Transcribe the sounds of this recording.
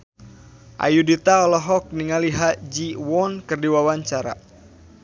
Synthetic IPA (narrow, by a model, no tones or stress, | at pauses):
ʔa̰judit̪aɔlɔɦɔk̚niŋaliɦad͡ʒiwɔnkɨrdiwawaɲt͡ʃaɾa̰